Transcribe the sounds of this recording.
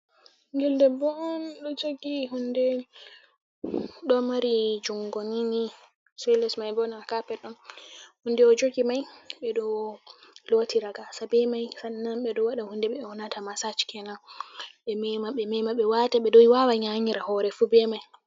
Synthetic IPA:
ŋɡɛldɛbɔɔnɗɔd͡ʒoɡihundɛ | ɗɔmaɾid͡ʒuŋɡonini | sɛlɛsmajbɔnakapɛɗɔnhundɛɔd͡ʒoɡimajɓɛɗɔ | lotʰiɾaɡasabɛmajsanːanɓɛɗɔwaɗahundɛɓɛwɔnatamasat͡ʃkʰɛnaɓɛmɛmaɓːɛmɛmaɓːɛwataɓɛɗɔwawaɲaɲiɾahɔɾɛfubɛmaj

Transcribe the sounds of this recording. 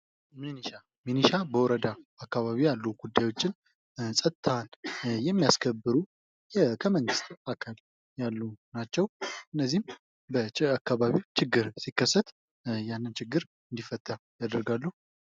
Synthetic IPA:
miniʃa | miniʃabəwɔɾəd̪aakːaβaβijalːuɡ̥ud̪ːajwo̞t͡ʃːɪn | sʼət̪t̪ʰanjɛmːijaskʰəbːɨɾu | kʰəməŋɡɨst̪akʰal | jalːunat͡ʃːɛwʔɨnːəzːihm | bəakːaβaβiwt͡ʃʰɪɡːɨɾsikːəsːət̪ | janːɨnt͡ʃʰɪɡːɨɾ | ɨnd̪ifːət̪ʰːajad̪əɾɡalːəhu

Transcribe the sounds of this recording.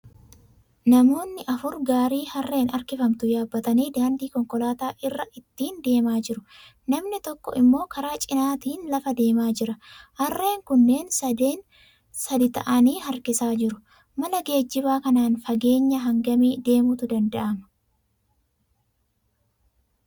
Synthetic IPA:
nɐmo̞ːnːɪʔɐfʊɾɡaːɾiːhɐrːe̞ːnɐɾkɪfɐmt̪ʊjaːbːɐt̪ɐniːd̪aːnd̪iːkɔŋkɔlaːt̪aːʔɪrːɐʔɪt̪ːiːnd̪e̞ːmaːd͡ʒɪɾʊ | nɐmnɪt̪ɔkːɔʔɪmːo̞ːkɐɾaːt͡ʃʼɪnaːt̪iːnlɐfɐd̪e̞ːmaːd͡ʒɪɾɐhɐrːe̞ːŋkʊnːe̞ːnsɐd̪eːn | sɐd̪ɪt̪ɐ̰ʔɐniːɦɐɾkɪsaːd͡ʒɪɾʊ | mɐlɐɡe̞ːd͡ʒːɪbaːkɐnaːnfɐɡe̞ːɲːɐɦɐŋɡɐmiːd̪e̞ːmʊt̪ʊd̪ɐnd̪ɐʔɐmɐ̥

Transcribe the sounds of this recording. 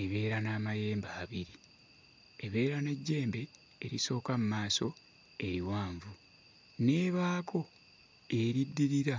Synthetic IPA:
eβe̞ːɾanaːmaje̞ːmbaːβiɾi | eβe̞ːɾane̞ɟːe̞ːmbe̞ː | ɾiso̞ːkamumaːso̞ | e̞ɾiwaːɱvu | ne̞ːβaːko̞ | e̞ɾidːiɾiɾa

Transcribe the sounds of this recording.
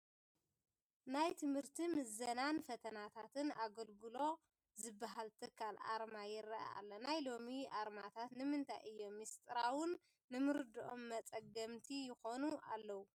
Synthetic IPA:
najt̪ʰɨmhɨɾt̪ʰimɨzɐnanfɐt̪ʰɐnat̪ʰat̪ʰɨnaɡɐlɡɨlo̞ | zɨbːaɦalt̪ʰɨkʰːalʔa̰ɾmajɪɾɐa̰a̰lːɐnajlo̞miʔaɾmat̪ʰat̪nɨmɨnt̪ʰa̰jɨjːo̞mːist̪ʼɨɾawʊnː | ɨmɨɾɨd̪ɨʔomːɐt͡sʼɐɡɐmt̪ʰijɪxo̞nua̰lːɐwu

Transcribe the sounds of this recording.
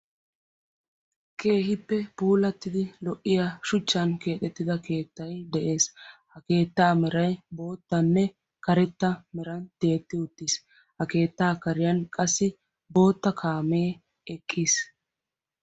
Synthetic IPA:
ke̞ːhɪpːɛpuːlɐt̪ːɪd̪ɪlɔʔːɪjaʃʊt͡ʃːɐnke̞ːt̪ɛt̪ːɪd̪ɐke̞ːt̪ːɐjd̪ɛʔe̞ːshɐke̞ːt̪ːaːmɛɾɐjbo̞ːt̪ːɐnːɛ | kɐɾɛt̪ːɐmɛɾɐnt̪e̞ːt̪ːɪʊt̪ːis | hɐke̞ːt̪ːaːkɐɾɪjɐnkʼɐsːɪ | bo̞ːt̪ːɐkʰaːmeː | ɛkʼːis

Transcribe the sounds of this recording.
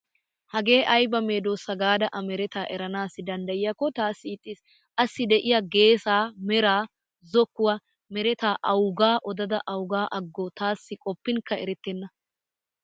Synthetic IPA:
hɐɡe̞ːʔɐjbɐme̞ːd̪oːsːɐɡaːd̪ɐʔɐmɛɾɛt̪aːʔɛɾɐnaːsɪd̪ɐnd̪ɐjɪjɐkːɔt̪aːsːɪːt̪ʼːis | ʔɐsːɪd̪ɛʔɪjaɡe̞ːsaːmɛɾaː | zɔkːʊwa | mɛɾɛt̪aːʔɐwɡaːʔɔd̪ɐd̪ɐʔɐwɡaːʔɐɡːot̪aːsːɪkʼɔpːɪŋkɐɛɾɛt̪ːɛnːɐ

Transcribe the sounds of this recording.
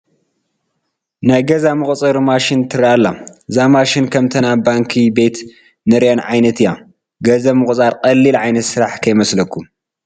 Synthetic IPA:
najɡɐzamɨχʼt͡sʼɨɾmaʃɪnt̪ʰɨɾaalːazamaʃinkʰɐmt̪ʰɐnabaŋkʰibe̞t̪ | nɨɾjanʕajnɐt̪ɨja | ɡɐzɐmɨxʼt͡sʼaɾqʼɐlːilʕajnɐt̪sɨɾaħkʰɐjmɐslɐkʰːum

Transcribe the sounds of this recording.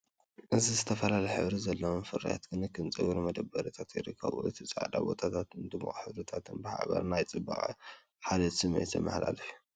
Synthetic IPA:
ʔɨzizɨt̪ʰɐfɐlalɐjħɨ̰βɾizɐlːɐwonfɨɾa̰ja̰t̪ɡɨnɨkʰːɨnt͡sʼɨɡuɾumɐd̪ɐbɐɾit̪ʰat̪jɛɾɨkʰːɐ̰βo̰jɨt̪ʰit͡sʼa̰d̪a̰bo̞̰t̪ʰat̪ʰat̪ɨnd̪ɨmɨχʼħɨβɾɨt̪ʰat̪ʰɨnbɨħa̰βɐ̰ɾnajt͡sʼɨbːa̰χʼɐ̰ | ħad̪ɐt̪sɨmejt̪ʰɐ̰mɐ̰hla̰lɐju

